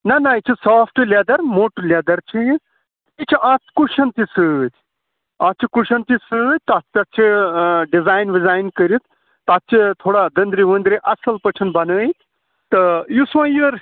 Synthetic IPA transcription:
nɐnɐit͡ʃʰisaːpʰʈlʲed̪ɐɾmoːʈulʲed̪ɐɾt͡ʃʰi | it͡ʃʰiʔaːt̪kuʃʰɐnt̪isɨt̪ʲʰ | ãːt͡ʃʰikuʃɐnt̪isɨt̪ʲt̪at̪ɐt̚t͡ʃʰiɖizaːjnʋizaːjnkəɾit̪ʰ | t̪at̪̚t͡ʃʰit̪ʰoːɽad̪ɐnd̪ɾiʋənd̪ɾiʔɐsɐlpət͡ʃʰɐnbɐnəːit̪ | t̪ɨjusʋãjɨɾ

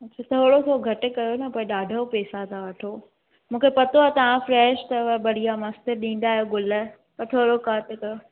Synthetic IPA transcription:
ɐtːt͡ɕʰat̪ʰoːɽot̪ʰoːɡʱɐʈ̆kɐjonɐpoːẽɗaːɖʱəpɛːsat̪ʰaʋɐʈʰo | mũːkʰepɐt̪oaːt̪ɐʋ̤ãfɾɛːʃt̪ɐbɐɽ̤ijamɐst̪əɾɗĩːn̆d̪aːjoɡʊl | pɐɾʈ̪ʰoːɾokaːt̪kɐjo

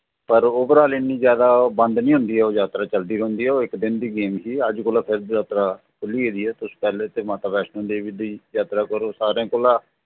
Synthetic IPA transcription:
pəɾoːbəɾaːlinːiːzjaːd̪aːbə̃nd̪nĩːɦʊ̃nd̪iːɛːoːzaːt̪ɾaːt͡ʃəld̪iːɾõːnd̪iːɦɛːɪkd̪ɪnd̪iːɡeːmɦiːəd͡ʒkoːlaːpʰɪɾjaːt̪ɾaː | kʰʊlːiːɦeːd̪iːɛːt̪ʊspɛːleːt̪eːmãt̪aːpɛːʃnõːd̪eːʋid̪iːjaːt̪ɾaːkəɾoːsaːɾẽːkolãː

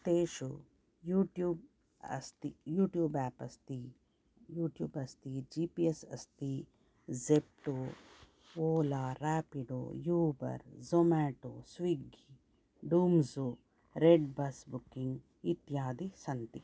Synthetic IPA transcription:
t̪eːʃu | juːʈjuːb̚ | ɐ̰st̪ijuːʈjuːbɛːpɐst̪i | juːʈjuːbɐst̪id͡ʒiːpiesɐst̪i | zep̚ʈoː | oːlaːɾaːpiɖo̰ːjuːbɐ̰ɾzomaːʈoːsʋiɡi | ɖuːmzuː | ɾeɖbɐsbukːiŋɡ | it̪jaːd̪isɐnt̪i

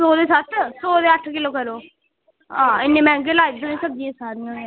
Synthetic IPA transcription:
soːd̪eːsət̪soːd̪eːəʈʰkɪloːkəɾoː | ãːɪnːeːmɛ̃ːŋɡelaːibsənẽːsəb̚d͡ʒieːsaːɾnə̃

